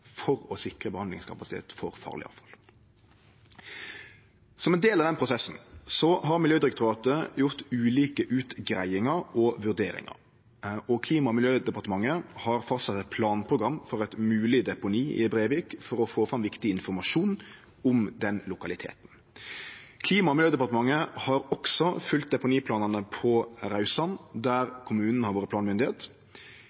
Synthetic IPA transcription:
fɔɾɔsɪkɾəbəhɑnd̪lɪŋskʰɑpɑsɪt̪ʰḛːt̪fɔɾfɑ̰ːʁlɪ̰ɑ̰fɑl | sɔmɛnd̪eːlɑʋd̪ɛnpʰɾʊsɛsn̩sɔɦɑʁmɪljøːd̪ɪɾɪk̚t̪ʊɾɑːt̪əjʊʁt̪ʉːliːkəʔʉːt̪ɡɾæɪɪŋɑɾɔʋʉʁd̪ḛːɾɪ̰ŋɑ̰ɾ | ɔkʰliːmɑmɪljøːd̪ɛpɑʁt̪əmɑŋːəhɑɾfɑst̪sɑt̪ːɛt̪̚pʰlɑːnpʰɾʊɡɾʁɑmːfɔɾɛt̪mʉːlɪd̪ɛpʊniːɪ̰ɛbɾebɪkfɔɾɔfoːfɾɑmʋɪkt̪ɪɪnfɔɾmɑʂuːn | ʊmd̪ɛnlʊkɑlɪt̪ʰḛːt̪n̩ | kʰliːmɑmɪljøːd̪ɛpɑʁt̪əmɑŋːəhɑɾɔksɔfʉlt̪̚d̪ɛpʊniːpʰlɑːnɑnəpʰɔɾɑʉsɑnd̪æɾkʰʊmʉːnən̩əhɑɾʋoːɾəp̪ʰɑːnmʏnd̪ɪheːt̪

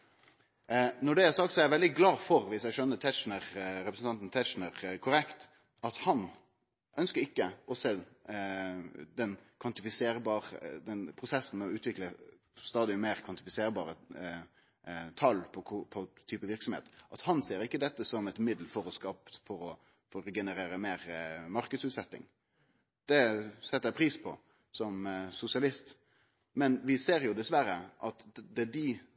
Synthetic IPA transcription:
nɔɖɛæɾsɑːk̚t̪sɔɛʋɛld̪ɪɡlɑːfɔɾʋɪsæʃœnːət̪ʰɛt͡ʃnəʁɾɛpɾəsn̩t̪ɑnt̪n̩t̪ʰɛʂnəʁkʰʊɾɛkt̪ | ɑt̪hɑn | ʔœnskəɾɪkːəʔɔseː | d̪ɛnkʰʋɑnt̪ɪfɪseːɾbɑːʁd̪ɛnpʰɾʊsɛsːn̩mɛɔʉːt̪ʋɪklə | st̪ɑːd̪ɪmeːɾkʰʋɑnt̪ɪfɪseːɾbɑ̰ːɾə | t̪ʰɑlːpʰɔkʰʊpʰɔt̪ʰyːpəʋɪʁksɔmhḛːt̪ʔɑt̪hɑnseːɾɪkːəd̪ɛt̪ːəsɔmɛt̪mɪd̪l̩fɔɾɔskɑːpt̪fɔɾɔ | fɔɾɡɛnəɾeːɾəmeːɾmɑɾkəd̪sʉːt̪sɛt̪ːɪ̰ŋ | d̪̥ɛsɛt̪ːɛpʰɾiːspʰɔ | sɔmsʊsɪɑlɪst̪ | mɛnʋɪseːɾjʊd̪ɛsʋæɾəʔɑt̪d̪ɛd̪ɪ

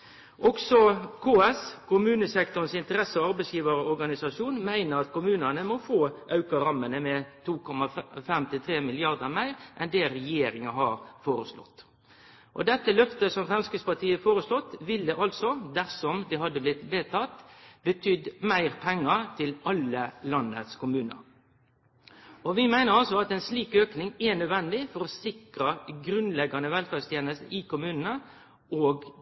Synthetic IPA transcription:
ʔɔksɔkʰoːɛskʊmʉːnəsɛkt̪ʊɾnsɪnt̪əɾɛsəɔɑɾbɛɪsjiːʋəɾɔɔɾɡɑnɪsɑʂuːnmæɪnəɾɑt̪kʊmʉːnənəmɔfoːʔɑʉkɑɾɑmːənəmɛt̪ʰuːkʰɔmɑfɛmt̪ʰɪlt̪ʰɾeːmɪlɪɑɾd̪əɾmæɪɾʔɛnd̪eːɾɛjeːɾɪŋɑɦɑɾfoːɾəslɔ̰t̪ː | ʔɔ̰d̪ɛt̪ːəlœft̪əsɔmfɛnskəspɑʈʰiːəfoːɾəslɔt̪ːʋɪld̪əʔɑlt̪sɔd̪æɾsɔmd̪ɛhɑd̪ːəblɪt̪ʋeːt̪ʰɑt̪bət̪ʰʏd̪mæɪɾpʰɛŋːəɾt̪ʰɪlɑləlɑnːə̰t̪skʰʊmʉːnə̰ɾ | ɔʋɪmæɪnəɾɑlsɔɑt̪ɛnsliːkøːknɪŋɛnœd̪ʋɛnd̪ɪfɔɾɔsɪkɾəɡɾʉnlɛɡɑnəʋɛlfɑst̪ʰjeːnəst̪əʔɪkʊmʉːnənə | ʔoːɡ

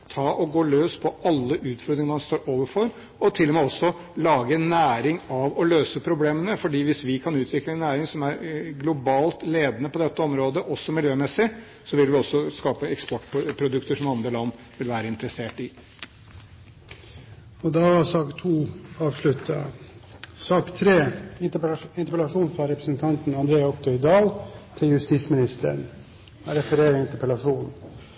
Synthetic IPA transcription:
t̪ʰɑːʔɔɡoːløːspʰɔɑlːəʔʉːt̪fɔɾd̪ɾɪŋəmɑnst̪oːɾoːʋəɾfɔɾ | ɔt̪ʰɪlːɔmɛɔsːɔ | lɑːɡənːæːɾɪŋɑʋɔløːsəpʰɾʊbleːmənəfɔɖiːʋɪsʋɪkʰɑnʉːt̪ʰʋɪkləɛnːæːɾɪŋsɔmæɾɡlʊbɑːlt̪leːd̪ənəpɔd̪ɛt̪ːəɔmɾoːd̪əʔɔsːɔmɪljøːmɛsɪ | sɔʋɪlʋɪɔsːɔskɑːpəɛkspɔʈːpʰɾʊd̪ʉkt̪əʂɔmɑnd̪ɾəlɑnː | ʋɪlʋæːɾəɪnt̪əɾɛseːʈɪ | ɔd̪ɑʋɑsɑːkt̪ʰuːɑːʋʂɭʉt̪ʰːɑ̰ | sɑːkt̪ʰɾeː | ɪnt̪əpɛlɑʂuːnfɾɑɾɛpɾəsnt̪ʰɑnt̪n̩ɑnd̪ɾeːɑɔpt̪ʰœʏd̪ɑːlt̪ʰɪljʉst̪iːsmɪnɪst̪ə̰ɾɳ | ɾɛfəɾeːɾəɪnt̪əpəlɑʂuːnn

